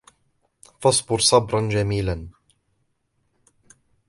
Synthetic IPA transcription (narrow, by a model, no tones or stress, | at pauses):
fɑsˤbʊɾsˤɑbɾˤɑnd͡ʒamiːlan